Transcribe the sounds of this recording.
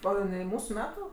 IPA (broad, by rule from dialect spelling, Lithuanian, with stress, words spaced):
oː jɪˈnɐɪ ˈmuːsʊ ˈmʲæːtʊ